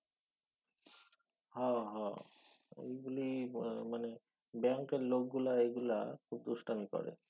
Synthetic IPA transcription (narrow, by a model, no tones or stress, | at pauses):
hɔ̃ɦɔ̃ | ḛjɡulimane | bɛŋkeɾlok̚ɡulaeɡulakʰub̚t̪uʃʈamikɔ̰ɾḛ